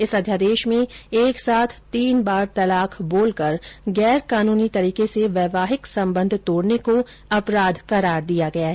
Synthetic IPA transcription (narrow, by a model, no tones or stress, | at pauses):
ɪsɐd̪ʱjaːd̪eːʃmẽeːksaːt̪ʰt̪iːnbaːɾt̪ɐlaːkʰboːlkɐɾɡɛːɾkaːnuːnit̪ɐɾiːkeseʋɛːʋaːɦɪksɐ̃mbə̃nd̪ʱt̪oːɽneko | ɐpɾaːd̪kɐɾaːɾd̪ijaɡɐjaɦɛː